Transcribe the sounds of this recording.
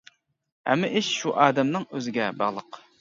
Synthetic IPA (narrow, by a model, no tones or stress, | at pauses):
hɛ̰mːɪʔiʃːuʔɑːd̪ɛmnɪŋøzɪɡʲɛbɑʁlˠəq